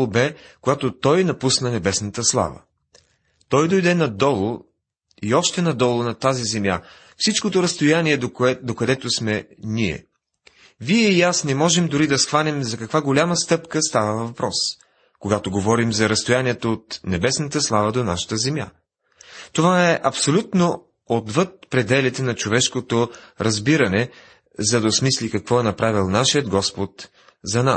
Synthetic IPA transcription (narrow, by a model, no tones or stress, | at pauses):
obɛkoɡat̪ot̪ɔjnɐpusnənɛbɛsnət̪əslˠa̰və̰ | t̪ɔjd̪ɔjd̪ɛnɐd̪ɔlˠo | iɔʃt̪ɛnɐd̪ɔlˠʊnɐt̪azizɛmja̰ | fsit͡ʃkot̪oɾɐst̪ojaniɛd̪oɛd̪okɐd̪ɛt̪osmɛniɛ̰ | viɛɛijasnɛmɔʒɛmd̪ʊɾid̪ɐsxvanɛmzɐkɐkvaɡolʲaməst̪ɤpkəst̪avəvvɐpɾɔs | koɡat̪oɡovɔɾimzɐɾɐst̪ojaniɛt̪oot̪nɛbɛsnət̪əslˠavəd̪onaʃə̥t̪əzɛmja̰ | t̪ovaɛʔɐpsolʲut̪no | od̪vɤt̪̚pɾɛd̪ɛlit̪ɛnɐt͡ʃovɛʃkot̪oɾɐzbiɾɐnɛ | zɐd̪ɐsmislikɐkvɔɛnɐpɾavilˠnaʃijəd̪ɡɔspot̪ | zɐnas